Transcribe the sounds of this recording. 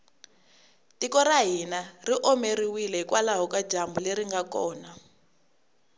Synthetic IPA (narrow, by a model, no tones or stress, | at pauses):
tikɔɾaɦinariʔɔmeriwilɛɦikwalaɦɔkḁd͡ʒambuleɾiŋɡakɔːna